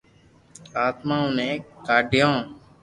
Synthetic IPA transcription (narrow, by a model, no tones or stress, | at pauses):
aːt̪mãːʊnẽːkaːɖʱɪjãː